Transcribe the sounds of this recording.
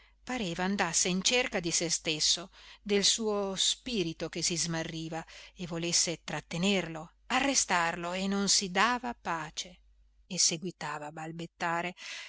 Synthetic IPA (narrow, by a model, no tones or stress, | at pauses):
paɾeːvaːnd̪asːeint͡ʃerkad̪isest̪esːod̪elsuːospiːɾit̪okesizmarːiːvaevolesːet̪ɾat̪ːenerlo | arːest̪arloenːonsid̪aːvapaːt͡ʃeː | seɡwit̪aːvaːbalbet̪ːaːɾe